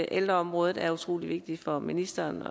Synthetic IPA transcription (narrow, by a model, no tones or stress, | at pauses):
ʔeld̥ʁɐɒ̽mʁɔ̽ːðˠð̩ˠæɐut͡sʰʁo̝̰ːliʋe̝ɡ̥̚d̥i̥fɒ̽minisd̥ɐːnɒ